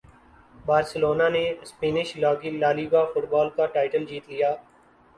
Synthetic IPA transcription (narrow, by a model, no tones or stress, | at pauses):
baːɾsəloːnaːnespiːnɪʃlaːɡiːlaːliːbaːfʊʈbaːlkaʈaːɪʈəld͡ʒiːt̪lɪjaː